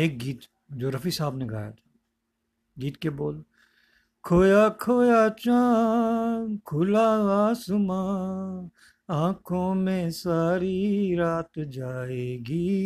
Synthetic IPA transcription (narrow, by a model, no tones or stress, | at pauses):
eːk̚ɡiːt̪ | d͡ʒoːɾɐfisaːbneɡa̰ːja̰t̪ʰḁ | ɡiːt̪keboːl | kʰoːjaːkʰoːjaːt͡ʃãː | kʰʊlaːãːsʊma | ãːkʰõːmẽsaːɾiɾaːt̪d͡ʒaːeːɡi